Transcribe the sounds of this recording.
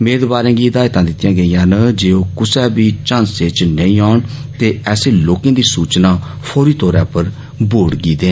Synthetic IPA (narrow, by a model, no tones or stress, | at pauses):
meːd̪baːɾẽːɡiːd̪aːet̪ãːd̪ɪt̪ːjãːɡəijãːnəd͡ʒeːoːkʊsɛːbiːt͡ʃãːnseːt͡ʃnəĩːaːɳt̪eːɛːseːloːkẽːd̪iːsuːt͡ʃnaː | pʰoːɾiːt̪ɔːɾɛ̰̃ːpəɾ | boːɽɡiːd̪ẽːn